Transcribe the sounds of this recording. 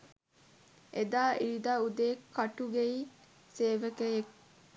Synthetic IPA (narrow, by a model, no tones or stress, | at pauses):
ʔed̪aːʔiɾid̪aːud̪eːkʰːɐʈuɡeiː | seːʋekejek